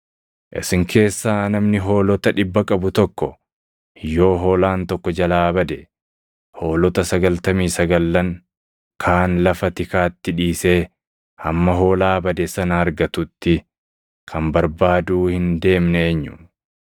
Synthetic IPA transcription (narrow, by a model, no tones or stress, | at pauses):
ʔɪ̰sɪŋkʰe̞ːsːaːnɐmnɪɦo̞ːlɔt̪ɐᶑɪbːɐkʼɐbʊt̪ɔkːɔ | jo̞ːɦo̞ːlaːnt̪ɔkːɔd͡ʒɐlaːbɐd̪ɛ | ho̞ːlɔt̪ɐsɐɡɐlt̪ɐmiːsɐɡɐlːɐŋ | kʰaːnlɐfɐt̪ɪkaːt̪ːɪᶑiːse̞ː | hɐmːɐɦo̞ːlaːbɐd̪ɛsɐnɐɐɾɡɐt̪ʊt̪ːɪ | kʰɐmbɐɾbaːd̪uːhɪnd̪e̞ːmnɛɲːʊ̥